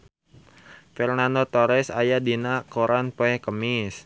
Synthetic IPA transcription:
fɛrnandot̪oɾɛsajadinakoɾʔanpoɛkəmis

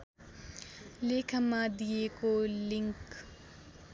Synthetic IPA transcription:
leːkʰɐmãd̪iekolɪ̃ŋk

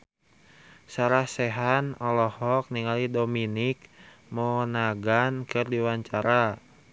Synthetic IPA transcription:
saɾahsɛɦanɔlɔhɔk̚niŋalidominik̚mɔnaɡankɨrdiwaɲt͡ʃaɾa

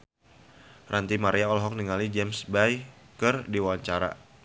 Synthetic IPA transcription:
rʔant̪imaɾiaɔlɦɔk̚niŋalid͡ʒɛmsbaj | kɨrdiwawaɲt͡ʃaɾa̰

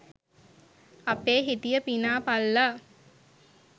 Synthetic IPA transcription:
apeːɦit̪ijəpinaːpalːa

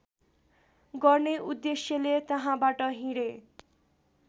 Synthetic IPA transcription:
ɡʌrneʔud̪ːesjʌlet̪ʌɦãbaʈʌɦĩɽe

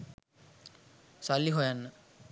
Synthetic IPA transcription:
salːiɦojanːə

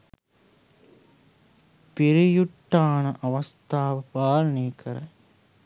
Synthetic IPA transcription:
piɾijuʈːaːnɐʔɐʋɐst̪ʰaːʋɐpaːlɐniːkʰɐɾɐ

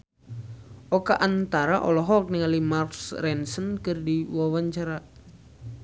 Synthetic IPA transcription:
ʔɔkaʔant̪aɾaʔɔlɔɦɔk̚niŋalimarksrɛnsənkɨrdiwawaɲt͡ʃaɾa

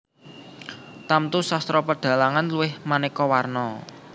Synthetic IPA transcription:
t̪amt̪usast̪ɾɔpəɖ̥ä̤laŋanluɪhmanekɔwarnɔ

